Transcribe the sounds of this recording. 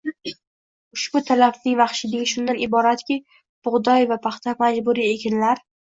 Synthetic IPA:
ʊʃbʊt̪ʰalafnɪŋvaχʃɪd̪ɪɡʲɪʃʊnd̪anɪbɒɾat̪kʲɪ | b̥ʊʁd̪ɒjvapʰaχt̪ʰamad͡ʒbʊɾie̞kʲʰɪnlaɾ

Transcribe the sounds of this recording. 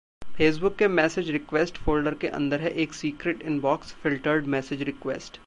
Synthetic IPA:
feːs̬bʊkːemɛːsɪd͡ʒɾɪkʋɛːsʈfoːlɖəɾkeʔɐ̰̃nd̪əɾɦɛʔeːksiːkɾeːʈɪ̃nbɔːksfɪlʈəɾɖmɛːsɪd͡ʒɾɪkʋḛːsʈ

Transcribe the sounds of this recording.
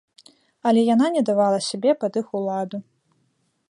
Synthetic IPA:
ɐlʲɛjananʲɛd̪avalˠɐsʲabʲɛpad̪ɨxulˠad̪u

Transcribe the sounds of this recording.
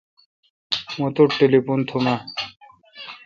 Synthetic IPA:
mõt̪oʈelipunt̪ʰuma

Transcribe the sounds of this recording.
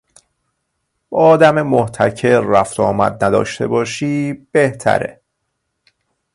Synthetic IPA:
bɒːd̪æmemoht̪ʰæcʰeɾːæft̪ʰɒːmæ̰d̪̚næd̪ɒ̰ːʃt̪ʰe̞̰bɒːʃiːb̥eht̪ʰæ̰ɾḛ

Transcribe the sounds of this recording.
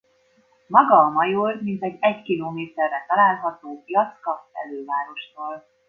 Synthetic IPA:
mɒɡɒːmɒjormint̪ɛɟɛɟkiloːmeːt̪ɛrːɛt̪ɒlaːlɦɒt̪oːjɒt̪skɒpɛ̰løːvaːɾo̞ʃt̪oːl

